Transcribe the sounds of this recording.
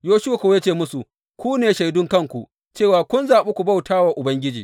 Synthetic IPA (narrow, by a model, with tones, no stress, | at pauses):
joː˦ʃʊ˦wa˨ko˨˦ja˦t͡ʃeː˦˨mʊ˦su˨ | kʷuː˦neː˨ʃa˨jdʊ˦ŋkɐ˦ŋkʷu˨ | t͡ʃeː˦˨waː˨kʷʊ˦nzaː˨ɓeː˦kʷu˨bɐ˦wtaː˦waː˨ʔʊ˨bɐ˦ŋɡʲɪ˦d͡ʒḭː˨